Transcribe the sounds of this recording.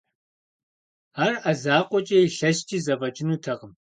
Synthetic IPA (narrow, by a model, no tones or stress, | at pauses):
aːrɐzaːqʷʼɔt͡ʃʼɐjiɬɐʃt͡ʃʼiːzɐvɐd͡ʒʼɪnuːtʰɐʁəm